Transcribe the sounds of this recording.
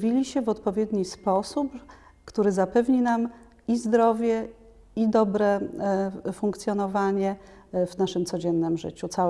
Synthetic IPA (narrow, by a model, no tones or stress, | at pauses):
vʲilʲiɕɛvɔt̪pɔvʲjɛd̪ɲispɔsup | kt̪uɾɘzapɛvɲinam | izd̪ɾɔvʲjɛ | id̪ɔbɾɛ | fuŋkt̪sʲjɔnɔvaɲɛ | vnaʂɘmt̪sɔd͡ʑɛnːɘmʐɘ̰t͡ɕut̪sa